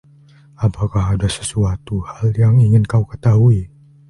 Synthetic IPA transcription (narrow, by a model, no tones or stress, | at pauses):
apakaɦadasə̥suat̪uhaljaŋiŋɪnkaukət̪aɦui